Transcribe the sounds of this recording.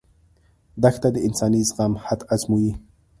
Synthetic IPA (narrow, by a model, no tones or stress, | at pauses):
d̪axt̪ad̪əɪnsɑnizɣamhat̪azmuji